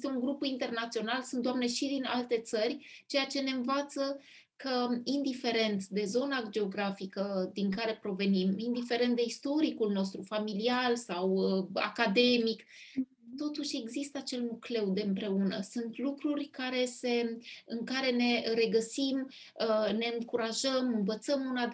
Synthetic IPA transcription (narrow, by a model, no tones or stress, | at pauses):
st̪euŋɡɾupint̪e̞rnat̪sio̞nalsunt̪d̪oamne̞ʃid̪ina̰lt̪e̞t̪sərʲt͡ʃe̞jat͡ʃe̞ne̞ɨnvat̪sə | kəind̪ife̞ɾe̞nt̪d̪e̞zo̞nad͡ʒe̞o̞ɡɾafikəd̪iŋkaɾe̞pɾo̞ve̞nimind̪ife̞ɾe̞nt̪d̪e̞ist̪o̞ɾikulno̞s̬t̪ɾufamilialsawəa̰kad̪e̞mik | t̪o̞t̪uʃʲe̞ɡzist̪əat͡ʃe̞lmukle̞wd̪e̞ɨmpɾe̞unəsunt̪lukɾurʲkaɾe̞se̞ɨŋkaɾe̞ne̞ɾe̞ɡəsim | əne̞ɨŋkuɾaʒəmɨnvət̪səmuna